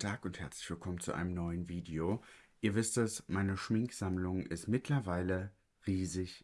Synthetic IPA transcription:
tʰaːkʊnthɛɐt͡slɪçv̥ɪlkʰɔmənt͡sṵʔa̰ɪnəmnɔʏənviːdeoʔiːɐvɪstɛsmaɪnəʃmɪŋkz̥amlʊŋʔɪstmɪtʰlɐvaɪlə | ʁiːzɪç

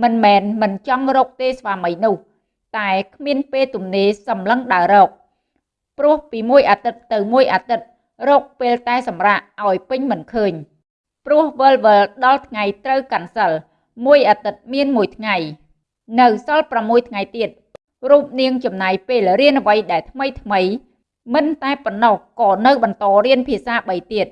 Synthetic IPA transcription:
mɨnmɛːnmɨnt͡ɕɑŋrɔːk̚t̪eːsʋaːməjnʊ̆əh | t̪aɛkʰmiənpeːlt̪umneːsɑmləŋɗaəɾɔːk̚ | prʊ̆əhpiːmuəjʔaːt̪ɨt̪̚ːɨwmuəjʔaːt̪ɨt̪̚ | rɔːk̚peːlt̪aɛsɑmraːʔʔaɔjpɨɲmɨnkʰəːɲ | prʊ̆əhʋəlʋəlɗɑlt̪ʰŋajt̪rəwkansəl | muəjʔaːt̪ɨt̪̚miənmuəjt̪ʰŋaj | nɨwsɑlpramːuəjt̪ʰŋajt̪iət̪̚ | ruːp̚niəŋt͡ɕɑmnaːjpeːlriənʔəʋəjɗaɛlt̪ʰməjt̪ʰməj | mɨnt̪aɛponːɔhkɑːnɨwɓɑnt̪ɑːriənpʰiəsaːɓəjt̪iət̪̚

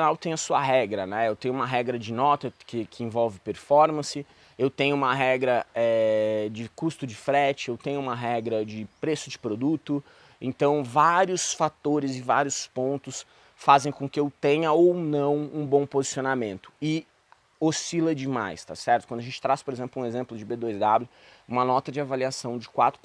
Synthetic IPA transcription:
nawt̪ẽj̃ɐsuɐɦɛɡɾɐnɛewt̪ẽj̃ʊ̃ũmɐɦɛɡɾɐd͡ʒɪnɔt̪ɐkɪkʰɪẽvɔwvɪpeɾfɔɾmɐ̃sɪ | ewt̪ẽɲ̃ʊũmɐɦɛɡɾɐɛd͡ʒɪkust̪ʊd͡ʒɪfɾɛt͡ʃɪewt̪ẽɲʊũmɐɦɛɡɾɐd͡ʒɪpɾesʊd͡ʒɪpɾod̪ut̪ʊ | ẽnt̪ɐ̃w̃vaɾiʊsfat̪oɾɪzɪva̰ɾiʊspõnt̪ʊs | fazẽj̃kõkɪewt̪ẽɲɐownɐ̃w̃ũbõw̃pozisionamẽnt̪ʊ̥ɪ | osilɐd͡ʒɪma̰jst̪a̰sɛɾt̪ʊkd̪ʊaʒẽnt͡ʃɪ̥t̪ɾaspoɾezẽmplʊũezẽmplʊd͡ʒɪbed̪ojzd̪ablʲʊ | ũmɐnɔt̪ɐd͡ʒɪavaliasɐ̃w̃d͡ʒɪkwat̪ɾʊ

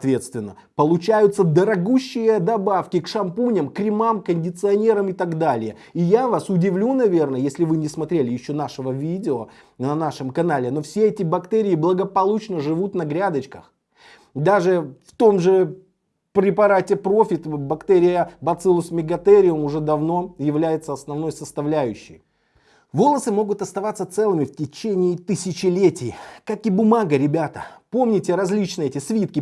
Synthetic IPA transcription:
t̪vʲet̪st̪vʲɪnːə | pəlˠʊt͡ɕæjʊt̪səd̪əɾɐɡuɕːɪjəd̪ɐbafkʲɪkʂɐmpunʲəmkɾʲɪmamkənʲdʲɪt̪sɨɐnʲe̞ɾəmɪt̪aɡd̪alʲɪjə | ɪjavasʊdʲɪvlʲunɐvʲe̞rnəjesʲlʲɪvɨnʲɪsmɐt̪ɾʲelʲɪjɪɕːo̞naʂɨvəvʲidʲɪo | nɐnaʂɨmkɐnalʲɪno̞fsʲeɛtʲɪbɐkt̪ɛɾʲɪɪblˠəɡəpɐlˠut͡ɕnəʐɨvut̪nɐɡɾʲad̪ət͡ɕkəx | d̪aʐɨft̪o̞mʐɨ | pɾʲɪpɐɾatʲɪpɾo̞fʲɪt̪bɐkt̪ɛɾʲɪjəbɐt̪sɨlˠʊsʲmʲɪɡɐt̪ɛɾʲɪʊmʊʐɛd̪ɐvno̞jɪvlʲæjɪt̪səɐsnɐvno̞jsəst̪ɐvlʲæjʉɕːɪ̰j | vo̞lˠəsɨmo̞ɡʊt̪ɐst̪ɐvat̪sːət̪sɛlˠɨmʲɪftʲɪt͡ɕenʲɪːt̪ɨsʲɪt͡ɕɪlʲetʲɪjkakɪbʊmaɡəɾʲɪbʲat̪əpo̞mnʲɪtʲɪɾɐzʲlʲit͡ɕnɨjɛtʲɪsvʲit̪kʲɪ

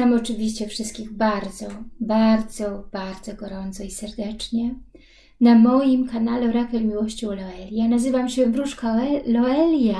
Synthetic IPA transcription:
t̪amɔt͡ʂɘvʲiɕt͡ɕɛfʂɘst̪̚kʲiɣbaɾd̪zɔbaɾd̪zɔb̥aɾd̪zɔɡɔɾɔnt̪sɔisɛɾd̪ɛt͡ʂɲɛ | namɔjimkanalɛɾakɛmʲiwɔɕt͡ɕɔ̃wlɔɛlʲjanazɘvamɕɛbɾuʂkaɛlɔɛlʲja

